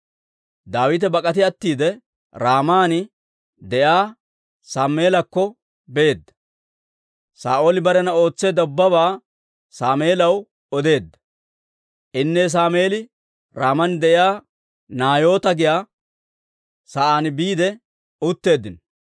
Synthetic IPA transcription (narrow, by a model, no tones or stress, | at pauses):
d̪aːwɪt̪ɛbɐkʼɐt̪ɪɐt̪ːiːd̪ɛ | ɾaːmaːnɪ | d̪ɛʔjaː | saːme̞ːlɐkːɔ | beːd̪ːɐ̥ | saːʔo̞ːlɪbɐɾɛnɐo̞ːt͡sːeːd̪ɐʊbːɐβaː | saːme̞ːlɐw | ɔd̪e̞ːd̪ːɐ̥ | ʔɪnːɛs̬aːmeːlɪ | ɾaːmɐnd̪ɛʔɪjaː | naːjo̞ːt̪ɐɡɪjaː | saʔaːnɪbiːd̪ɛ | ʊt̪ːe̞ːd̪ːɪn